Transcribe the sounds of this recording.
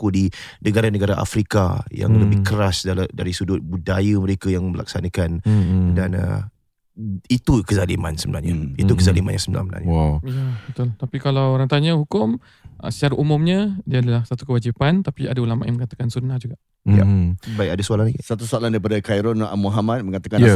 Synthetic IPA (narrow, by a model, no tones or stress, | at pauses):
kudinəɡaɾanəɡaɾaʔa̰fɾika̰ja̰ŋləbɪhkəɾasdadaɾisudʊt̪̚budajəməɾekajaŋməla̰k̚sanəkandanə̰ | it̪ukəzalima̰nsəbəna̰hɲait̪ukəzalima̰nja̰ŋsəbəna̰məna̰ɲajabət̪ʊlt̪apikalawoɾaŋt̪aɲəhukʊm | ə̰sə̥t͡ʃaɾaʔumʊ̃mɲə̃diaːdalahsat̪u̥kəwad͡ʒipant̪apiadaulama̰ʔjaŋməŋat̪akansunahd͡ʒuɡaʔ | ja̰baikadasualaŋlaisat̪usoalahndaɾipadakajɾɔna̰muɦamat̪̚məŋat̪akan